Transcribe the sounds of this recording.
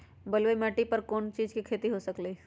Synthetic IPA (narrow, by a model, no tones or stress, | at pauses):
bɐlʋemɛːʈipɐɾkoːnt͡ʃiːd͡ʒkikʰeːt̪iɦosɐkleː